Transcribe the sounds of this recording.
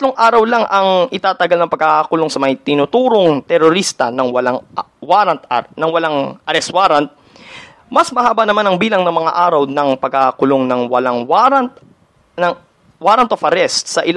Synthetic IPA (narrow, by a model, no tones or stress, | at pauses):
ɐt̪loŋʔaːɾɐwlaŋʔɐŋʔɪt̪aːt̪ɐɡalnɐŋpɐɡ̚aakʊloŋsɐmɐjt̪ɪnʊt̪uːɾoŋt̪ɛɾoɾist̪ɐnɐŋwɐlaŋwaɾɐnt̪nɐŋwɐlaŋʔɐɾɛst̪waːɾɐnt̪̚ | mɐsmɐhaːbɐnɐmanɐŋbiːlɐŋnɐŋmɐŋa̰ʔaːɾɐwnɐŋpɐɡ̚akʊloŋnɐŋwɐlaŋwɐnt̪ | nɐŋ | waːɾɐnt̪ofɐɾɛst̪sɐʔɪl